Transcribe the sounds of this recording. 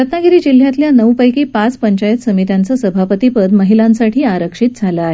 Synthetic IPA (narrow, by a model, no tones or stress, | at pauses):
ɾət̪naɡiɾiːd͡ʑil̤jat̪ljanəwpəjkiːpat͡spəɲt͡ɕajət̪səmit̪jant͡səsəbʱapət̪ipəd̪məɦilãnsaʈʰiːaɾəkʂit̪̚d͡zʱaləːɦe